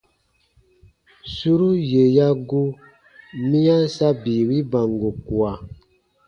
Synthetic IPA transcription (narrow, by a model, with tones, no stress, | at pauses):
su˦ɾu˦je˨ja˦ɡu˦ | mĩ˦ã˦sa˦biː˨wi˦ba˨ŋɡo˨ku˨a˨